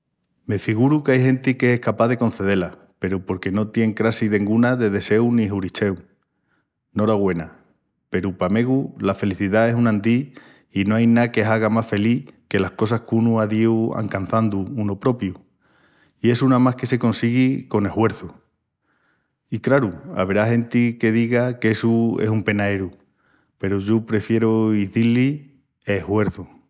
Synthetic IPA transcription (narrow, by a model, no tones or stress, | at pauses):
me̞fiɣuɾukajɦẽ̞nt̪ikeehkapaðe̞ko̞nθe̞ðe̞la | pe̞ɾupo̞ɾke̞no̞t̪je̞ŋkɾasiðe̞ŋɡunaðe̞ð̞e̞se̞wniɦuɾit͡ʃe̞w | no̞ɾaɣwe̞na | pe̞ɾupame̞ɣ̞ulafe̞liθiðae̞sunãnd̪i | ino̞ajnake̞ɦaɣamasfe̞like̞lahko̞sahkunuaðiwa̰ŋkan̟θand̪uunopɾo̞pju | ie̞sunamahke̞se̞ko̞nsiɣiko̞ne̞hwe̞ɾθu | ikɾaɾua̰βeɾaɦe̞nt̪ike̞ðiɣakesuesumpe̞naeɾu | pe̞ɾuʝopɾe̞fje̞ɾoiθilːi | ehwe̞ɾθu